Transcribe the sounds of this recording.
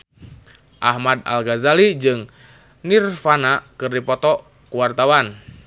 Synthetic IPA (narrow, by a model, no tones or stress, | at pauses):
ʔahmad̪a̰lɡazalid͡ʒɨŋ | nirfanakɨrdipɔt̪ɔ | kuwart̪awan